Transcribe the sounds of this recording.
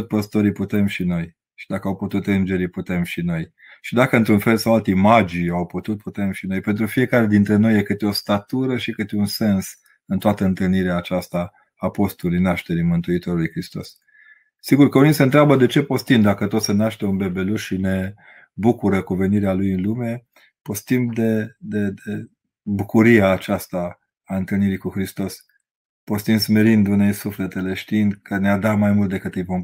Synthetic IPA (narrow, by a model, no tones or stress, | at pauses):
ot̪ʲpəst̪o̞ɾiput̪e̞mʃino̞j | ʃid̪akəawput̪ut̪ɨnd͡ʒe̞ɾiput̪e̞mʃino̞j | ʃid̪akəɨnt̪ɾunfe̞lsawalt̪emad͡ʒijawput̪ut̪̚put̪e̞mʃino̞jpent̪ɾufije̞kaɾe̞d̪int̪ɾe̞no̞jekɨt̪eo̞st̪at̪uɾəʃikɨt̪eunse̞ns | ɨnt̪oat̪əɨnt̪ɨlniɾeaːt͡ʃast̪aː | po̞st̪olujnaʃt̪e̞ɾimɨnt̪uit̪o̞ɾulujkɾist̪o̞̰s | siɡurkəunisəɨnt̪ɾabəd̪e̞t͡ʃe̞po̞st̪imd̪akət̪ot̪senaʃt̪e̞unbe̞be̞luʃʃine̞ | bukuɾəkuve̞niɾealujɨnlume̞ | po̞st̪imd̪e̞d̪ed̪e | bukuɾiaːt͡ʃast̪aː | ɨnt̪ɨlniɾikuxɾist̪o̞s | po̞st̪imsme̞ɾind̪unejsufle̞t̪e̞le̞ʃt̪iind̪kənead̪at̪majmult̪̚d̪e̞kɨt̪ːijpom